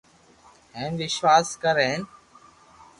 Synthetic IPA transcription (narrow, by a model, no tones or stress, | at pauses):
ɦẽːnʋɪʃʋaːskəɾeːn